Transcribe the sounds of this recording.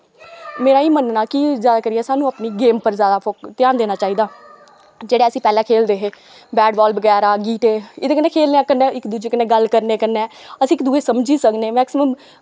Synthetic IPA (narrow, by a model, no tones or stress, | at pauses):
meːɾaːiːmənnaːkizjaːd̪aːkəɾiɛːsaːnũːapniːɡeːmpəɾzjaːd̪aːpʰokt̪ɪjaːnd̪eːnaːt͡ʃaːiːd̪aː | d͡ʒeːɽeːəsĩːpɛːlãːkʰeːld̪eːɦeː | bɛːɖbɔːlbəɡɛːɾaːɡiːʈ̪eːɪd̪eːkəneːkʰeːlneãːkəneːɪkd̪uːd͡ʒeːkənẽːɡəlkəɾnekəneɛːəsĩːɪkd̪uːeːsəmd͡ʒiːsəkneːmɛːksɪməm